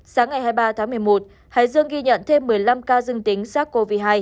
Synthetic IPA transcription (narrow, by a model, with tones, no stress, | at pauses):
saː˨˦ŋːa˨˩jhaː˧jɓaː˧t̪ʰaː˨˦ŋmɨ˨˩əjmo˨˩t̚ | ha̰ː˧˨jzɨ˧əŋɣi˧ɲə̰˧˨nt̪ʰe˧mːɨ˨˩əjla˧mkaː˧zɨ˧əŋt̪ï˨˦ŋ̟saː˦˥k̚ko˧vi˧˩ɦaː˧j